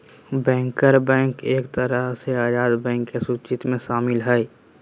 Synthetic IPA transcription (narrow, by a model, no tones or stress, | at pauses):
bɛ̃ːŋkəɾbɛ̃ːŋkeːkt̪əɾəɦseaːd͡ʒaːd̪bɛ̃ːŋkːesʊt͡ʃɪt̪mẽʃaːmɪlɦɛ